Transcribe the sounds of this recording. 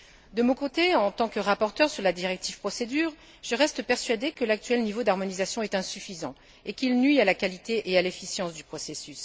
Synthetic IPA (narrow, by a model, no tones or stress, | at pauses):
d̪əmɔ̃kot̪eɑ̃t̪ɑ̃kəʁapɔʁt̪œʁsyʁlad̪iʁɛk̚t̪iv̥pχɔsed̪yːʁ | ʒəʁɛst̪əpɛʁsɥad̪ekəlak̚t̪ɥɛlnivod̪aʁmɔnizasjɔ̃ɛt̪ɛ̃syfizɑ̰̃ | ekʲilnɥialakalit̪eʔealefisjɑ̃sd̪ypχɔsesys